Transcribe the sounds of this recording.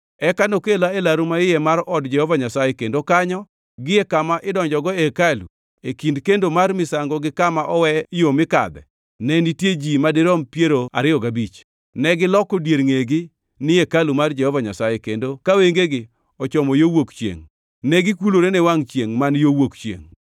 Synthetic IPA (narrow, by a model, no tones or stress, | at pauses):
ɛkanokelaelaɾumaɪjɛmaɾɔdd͡ʒɛhɔvaɲasajekendokaɲɔ | ɡɪekamaʔɪdɔɲd͡ʒɔɡɔekalṵ | ekindkendomarmɪsaŋɡɔɡɪkamaʔɔwɛjomɪka̰d̪ɛ̰ | nɛnitjed͡ʒimadɪɾɔmpjeɾoa̰ɾɪjɔɡabit͡ʃ | nɛɡɪlɔkɔdjeɾŋeɡɪ | nɪekalumard͡ʒɛhɔvaɲasajekendokaweŋɡeɡɪ | ɔt͡ʃɔmɔjowokt͡ʃjḛŋ | nɛɡɪkuloɾenɛwaŋt͡ʃjeŋmanjowokt͡ʃjḛŋ